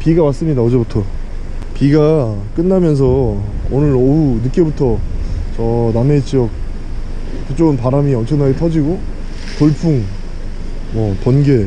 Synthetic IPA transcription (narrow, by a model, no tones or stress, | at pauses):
piɡawas͈ɯmɲidaʌd͡ʑebutʰʌ | piɡa | k͈ɯnːamjʌns̬ʰʌ | onɯɾʌunɯk͈e̞butʰʌt͡ɕʌname̞t͡ɕijʌk̚ | kɯt͡ɕ͈oɡɯnpaɾamiʌnt͡ɕʰʌŋnaɡe̞tʰʌd͡ʑiɡo | toɭpʰuŋ | mʌpʌnɡe